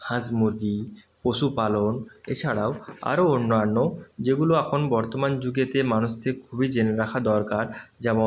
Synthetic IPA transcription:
hãd͡ʑmuɾɡi | poʃupalonḛt͡ɕʰaɽaoa̰ɾoonːoanːod͡ʑeɡuloɛkʰonbɔɾt̪omand͡ʑuɡet̪emanuʃt̪ʰekekʰubid͡ʑeneɾakʰad̪ɔɾkaɾd͡ʑɛmon

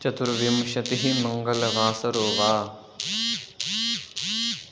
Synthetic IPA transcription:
t͡ʃɐt̪ʰuɾʋimʃɐt̪iɦimɐŋɡɐlʋaːsɐɾoːʋaː

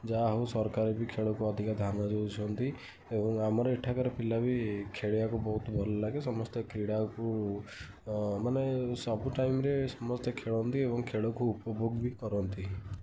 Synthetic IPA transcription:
d͡ʒaɦusɔɾkaɾebikʰeɭokuɔd̪ʱikad̪ʱanad͡ʒowt͡ʃʰɔnt̪i | ebɔŋamɔɾɔiʈʰakɔɾepilabʱikʰeɽijakubɔɦut̪bʱɔlɔlaɡesɔmɔst̪ɔkɾiɽaku | manesɔbuʈajimɾesɔmɔst̪ɔkʰeɭɔnt̪iebɔŋkʰeɭokuupɔbʱoɡbʱikɔɾɔnt̪i

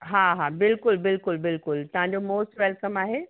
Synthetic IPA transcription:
ɦaːɦaːbɪlkʊlbɪlkʊlbɪlkʊlt̪ɐʋɦãɲ̆d͡ʑomoːsʈʋɛlkəmaːɦeː

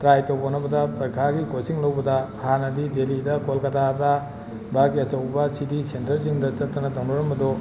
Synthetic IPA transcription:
tɾajtowbonɐbɐdɐpɐjkʰaɡikosiŋlɐwbɐdɐhanɐdidelidɐkolkɐdadɐ | bʱaɾɡiɐt͡ʃɐwbɐsidisentɐɾs̬iŋdɐsɐt̚ːɐnɐtaŋdɔɾɐmɐdɔ

